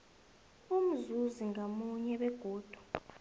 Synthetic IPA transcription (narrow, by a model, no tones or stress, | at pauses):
um̩zuziŋamuɲɛɓɛɡ̥ʱoːd̥ʱu̥